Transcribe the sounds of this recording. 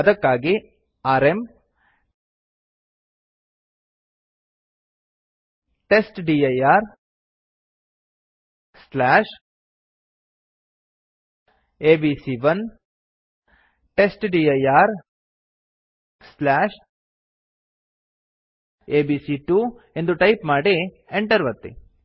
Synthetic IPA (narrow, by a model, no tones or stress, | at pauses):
ɐd̪ɐkːaːɡi | aːɾem | ʈesʈɖiːɐjaːɾ | slaːʂ | eːbiːsiʋɐn | ʈesʈɖiɐjaːɾ | slaːʂ | eːbiːsiʈuː | end̪uʈɐjpmaːɽe | eɳʈɐɾʋɐt̪ːḛ